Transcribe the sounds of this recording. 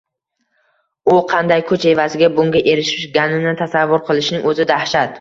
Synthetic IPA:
ʊqʰɑnd̪ajkʰɵt͡ʃe̞vazɪɡʲabʊŋɡʲaʔe̞ɾɪʃɪʃɡʲanɪnɪt̪ʰasavːʊɾqʰɨlˠɪʃnɪŋɵzɪd̪ahʃat̪̚

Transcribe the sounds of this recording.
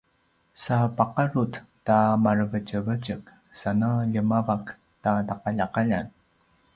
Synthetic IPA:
sapaqaɾuttamarəvət͡ʃəvəcək | sanəʎəmavak | tataqaʎaqaʎan

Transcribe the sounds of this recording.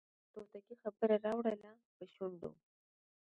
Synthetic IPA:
t̪ot̪akixabəɾaɾɑwɽəla | pəʃuɳɖ̪o̰

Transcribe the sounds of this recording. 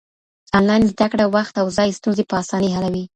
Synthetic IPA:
zɑnlɑnizd̪akɽawaxt̪awzɑjst̪unzepəɑsɑnəɦalawi

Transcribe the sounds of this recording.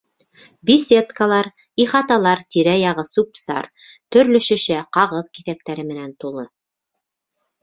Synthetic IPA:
bʲisʲe̞t̪kalˠɑɾ | iχɑt̪ɑlˠɑɾt̪iɾæjɑʁɤsupsɑ̰ɾ | t̪ɵ̆ɾlɵ̆ʃɘ̆ʃɘqɑʁɤðkiθæk̚t̪æɾɘmɘ̆nænt̪ulˠɤ

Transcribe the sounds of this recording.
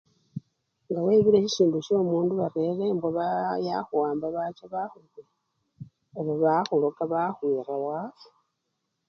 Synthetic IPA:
ŋɡawe̞ːβiɾeɕisiːnduʃo̞ːmuːnduβaɾeɾemboβajaxuwaːmbaβat͡ʃaβaxuɡe | oβoβaxulokaβaxwiːrawa

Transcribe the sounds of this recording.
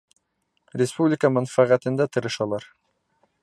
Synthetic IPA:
rʲɪspublʲɪkəmænfæʁæt̪ɘ̆nd̪æt̪ʰɤ̆ɾɤ̆ʃɑlˠɑɾ

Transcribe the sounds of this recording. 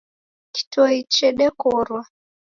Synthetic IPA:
ki̥tɔit͡ʃɛɗɛkɔɾwa

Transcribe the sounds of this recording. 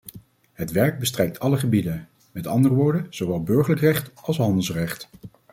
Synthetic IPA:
ɦətʋɛɹɡ̚bəstrɛjk̚tʰɑləχəbidən | mɛtɑ̰ndərəʋʊːɹdənz̥owʋɛlˠbɵɹχələkrɛχtɑlˠsɦɑndəlˠsrɛχt

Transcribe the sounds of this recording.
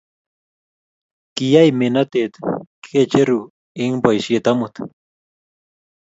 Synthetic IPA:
kijajmenat̪et̪kʰet͡ʃeɾu | iŋbajʃjet̪amut̪

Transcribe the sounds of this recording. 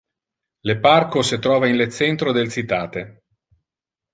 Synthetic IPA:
leparkosit̪ɾɔːvainlet͡ʃːɛnt̪ɾod̪elsit̪aːt̪e

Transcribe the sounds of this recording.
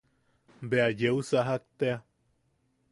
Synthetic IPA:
beajeusaɦak̚t̪ea

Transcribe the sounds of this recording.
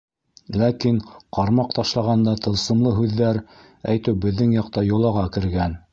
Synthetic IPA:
lækinqɑɾmɑqt̪ɑʃlˠɑʁɑnd̪ɑt̪ɤ̆lˠsɤ̆mlˠɤɦʉðːæɾ | æjt̪ɘwbɘ̆ðːɘŋjɑqt̪ɑjŏlˠɑʁɑkɘ̆ɾɡæn

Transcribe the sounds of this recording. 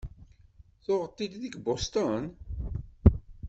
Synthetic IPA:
θʊʁət̪ˤːid̪ðəɡbost̪on

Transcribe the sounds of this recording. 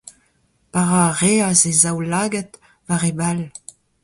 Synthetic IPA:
paʁaʁeazezawlaːɡɛt̪ | vaʁebal

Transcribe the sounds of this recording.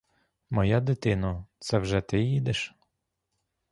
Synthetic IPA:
mɔjad̪ɪt̪ɪnɐt̪sɛwʒɛt̪ɪjid̪ɪʃ

